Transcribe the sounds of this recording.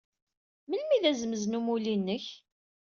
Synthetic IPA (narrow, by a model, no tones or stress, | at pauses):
məlmiðæzəməznumulinːəç